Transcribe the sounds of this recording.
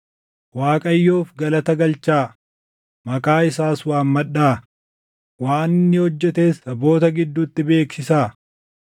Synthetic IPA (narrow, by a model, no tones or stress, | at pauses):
waːkʼɐjːo̞ːfɡɐlɐt̪ɐɡɐlt͡ʃaː | mɐkʼaːɪsaːswaːmmɐᶑaː | waːnːɪhɔd͡ʒːɛt̪e̞ːsɐbo̞ːt̪ɐɡɪd̪ːuːt̪ːɪbe̞ːksɪsaː